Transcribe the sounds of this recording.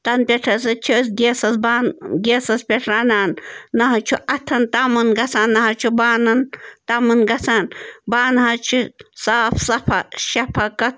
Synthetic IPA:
t̪ɐnpʲeʈʰɐsɐt͡ʃʰisɡʲesɐsbaːnɡeːsɐspʲeʈʰɾaːnaːnːɐɦɐt͡ʃʰuʔɐt̪ʰɐnt̪amɐnɡɐsaːnːɐɦɐt͡ʃʰubaːnɐnt̪ɐmɐnɡɐsaːnbaːnɦɐt͡ʃʰisaːfsɐpʰɐʃɐpʰɐkɐt̪̚

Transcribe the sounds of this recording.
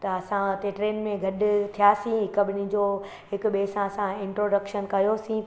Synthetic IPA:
t̪ɐɐsãt̪eʈɾeːnmẽɡʱɐɗʊt̪ʰijaːsĩɦɪkɐbɪnĩd͡ʑoː | ɦɪkɓeːsãsãɪ̃ɳʈɾoːɖɐkʃənkɐjosĩ

